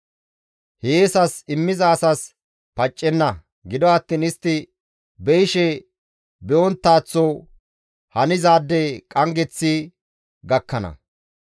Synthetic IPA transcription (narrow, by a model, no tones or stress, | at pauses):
heːsɐsɪmːɪzɐːsɐs | pɐt͡ʃʼːɛnːɐ | ɡɪd̪ɔɐt̪ːiːnɪst̪ːɪ | bɛjʃɛ | bɛʔɔnt̪ːaːt͡sːɔ | hɐnɪzaːd̪ːɛkʼɐŋɡɛt͡sːi | ɡɐkːɐnɐ̰